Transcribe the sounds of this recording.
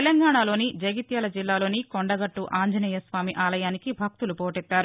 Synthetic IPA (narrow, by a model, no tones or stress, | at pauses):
telɐŋɡaːɳalo̞ːnid͡ʒɐɡit̪jɐːlɐd͡ʒilːaːlo̞ːnikoɳɖɐɡɐʈːuʔaːɲd͡ʒɐnijɐsʋaːmiʔaːlɐjaːnikibʱɐk̚t̪ulupoːʈɛt̪ːaːɾu